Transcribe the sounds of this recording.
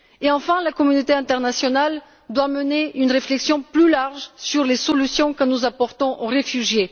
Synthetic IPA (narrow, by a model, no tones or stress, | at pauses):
eɑ̃fɛ̃lakɔmynot̪eɛ̃t̪ɛʁnasjɔnal | d̪waməneynʁeflɛksjɔ̃plylaʁʒsyʁlesɔlysjɔ̃kənuzapɔʁt̪ɔ̃ʔoʁefyʒje